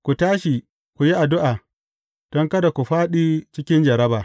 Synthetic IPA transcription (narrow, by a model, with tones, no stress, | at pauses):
kʷu˨taː˦ʃi˨ | kʷu˨ji˦ʔa˨dʊ˦ʔaː˨ | d̥ɔ˦ŋkɐ˦da˨kʷu˨ɸaː˦ɗiː˦t͡ʃɪ˦kʲɪ˦nd͡ʒɐ˨ɾɐ˦baː˨